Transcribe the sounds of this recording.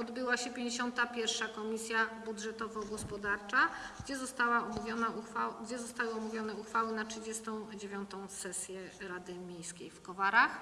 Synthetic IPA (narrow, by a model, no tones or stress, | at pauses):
ɔd̪bɘwaɕɛpʲjẽɲd͡ʑeɕɔnt̪apʲjɛɾfʂakɔmʲisʲjabudʐɛt̪ɔvɔɡɔspɔd̪aɾt͡ʂaɡd͡ʑɛzɔst̪awaɔmuvʲɔnaaɡd͡ʑɛzɔst̪awɘɔmuvʲjɔnɛuxfawɘnatʂɘd͡ʑɛst̪ɔ̃w̃d͡ʑevʲjɔnt̪ɔ̃w̃sɛsʲjɛɾad̪ɘmʲjejskʲejfkɔvaɾax